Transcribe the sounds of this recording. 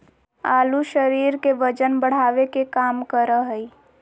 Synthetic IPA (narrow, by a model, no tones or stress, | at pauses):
aːluʃəɾiːɾkeʋəd͡ʒənbəɽ̤aːʋekekaːmkəɾəɦəi